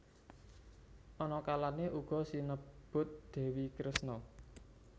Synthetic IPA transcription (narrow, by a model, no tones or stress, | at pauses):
ʔɔnɔkalaneʔuɡ̥ɔ̤sinəb̥ʊ̤t̪̚d̪̥ɛ̤wikɾəsnɔ